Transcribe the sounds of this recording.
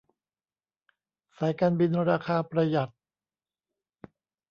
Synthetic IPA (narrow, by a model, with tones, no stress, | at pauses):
saː˩˦jkaː˧nbi˧nɾaː˧kʰaː˧pɾa˧ja˨˩t̪̚